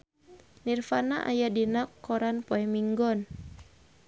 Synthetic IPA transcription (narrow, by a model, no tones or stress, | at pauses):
nirfanaʔa̰jadinakːɔɾanpoɛmiŋɡɔn